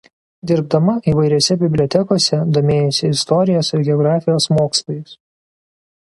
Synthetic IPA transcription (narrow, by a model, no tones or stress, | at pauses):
d̪ʲɪɾbd̪ɐmɐiːʋɐɪɾʲoːsʲɛbʲɪbʲlʲot̪ʲɛkoːsʲɛd̪oːmʲeːjosʲɪɪst̪ɔɾʲɪjosɪɾɡʲɛɔɡɾɑːfʲɪjoːsmoːkslˠoːjɪs